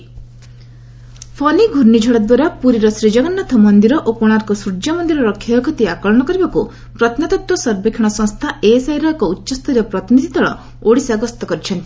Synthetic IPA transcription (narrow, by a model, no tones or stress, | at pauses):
pʰɔniɡʱuɾnid͡ʒʱɔɽɔd̪waɾapuɾiɾɔsɾid͡ʒɔɡɔnːat̪ʰɔmɔnd̪iɾɔʔopɔɽ̃aɾɔkɔsuɾd͡ʒamɔnd̪iɾɔɾɔkʰːjaɔkʰɔt̪iakɔɭɔɽ̃ɔkɔɾibaku | pɾɔt̪ʰnat̪ɔk̚t̪wɔsɔɾbekʰiɽ̃ɔsɔ̃ŋst̪ʰaʔesaɦiɾakɔutːʃɔst̪ɔiɾɔpɾɔt̪ʰmid̪ʱit̪ɔɭɔ | oɽisaɡɔst̪ɔkɔɾit͡ʃʰɔnt̪i̥